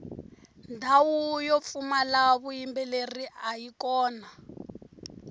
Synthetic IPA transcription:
ndʱawujop̪fumalaβujimbɛleriajikɔːna

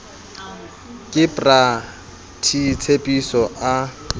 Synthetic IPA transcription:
kʼɪpʼra | tʰit͡sʰepʼisɔʔa

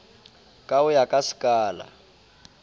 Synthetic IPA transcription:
kʼaʊjakʼasi̥kʼaːla̰

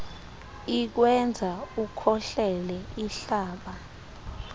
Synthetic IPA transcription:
ik̬wɛnd͡zʱaukʰɔɬɛlɛiɬaːɓa

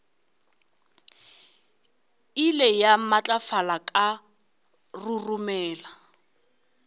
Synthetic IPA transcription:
ilɛjamat͡ɬʼafalakʼa | rurumɛːla

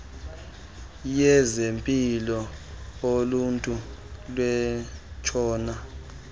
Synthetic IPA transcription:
jɛzempʼilɔoluntʼulwɛt͡ʃʰɔːna

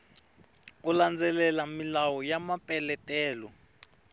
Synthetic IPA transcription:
uland͡zɛlɛlamilawɔjamapʼɛlɛtʼɛːlɔ

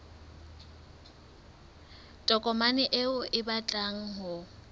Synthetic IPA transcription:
tʼɔkʼɔmanɪʔeʊʔɪbat͡ɬʼaŋ̩ɦʊ

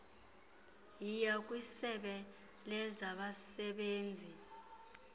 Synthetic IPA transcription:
jijak̬ʼwisɛɓɛ | lɛzaɓasɛɓeːnd͡zʱi

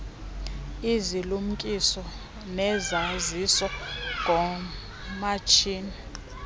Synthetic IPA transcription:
izilum̩kʼisɔ | nɛzazisɔŋʱɔ | mat͡ʃʰiːni

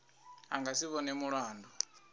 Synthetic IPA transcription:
a̰ŋɡasiβɔnɛmuɺaːndɔ

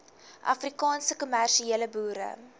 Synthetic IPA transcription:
ʔɐ̰frikɑːnsəkumærʃieələbuːɾə̰

